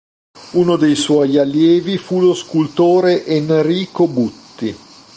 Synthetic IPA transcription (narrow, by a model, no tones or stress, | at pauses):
uːnod̪ejswɔjalːjɛːvifuloskult̪oːɾeʔenriːkobut̪ːi